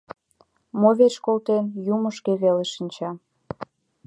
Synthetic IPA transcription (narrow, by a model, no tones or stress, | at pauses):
moβet͡ɕkolt̪enjuməʃkeβeleʃənt͡ɕɑ